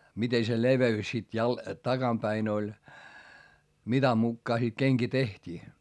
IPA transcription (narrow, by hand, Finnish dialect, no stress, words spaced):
mite se leʋeys sit jɑl tɑɡ̊ɑmpæin olʲ mitɑ mukːɑː sit keŋki tehtʲiː